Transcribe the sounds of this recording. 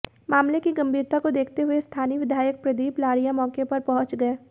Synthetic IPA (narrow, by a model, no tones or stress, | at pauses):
maːmlekiɡɐ̃mbʱiːɾt̪akod̪eːkʰt̪eɦʊest̪ʰaːniʋɪd̪ʱaːjək̚pɾɐd̪iːplaːɾijãmɔːkepɐɾpɐ̃ɦʊ̃t͡ʃɡɐeː